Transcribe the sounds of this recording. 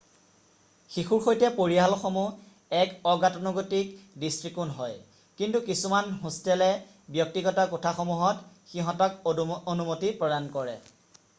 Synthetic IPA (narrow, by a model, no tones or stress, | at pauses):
xixuɹxojtɛpoɹiɦalxomu | ɛkɔɡatɔnɔɡotikdistɹikunɦɔj | kintukisumanɦũstɛlɛ | bjɔk̚tiɡɔtakutʰaxomuɦɔt | xiɦɔ̃tɔkonumotipɹɔdankɔɹɛ